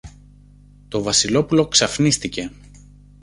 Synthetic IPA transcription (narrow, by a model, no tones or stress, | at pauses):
t̪o̞vɐsilo̞pulo̞ksɐfnist̪ice̞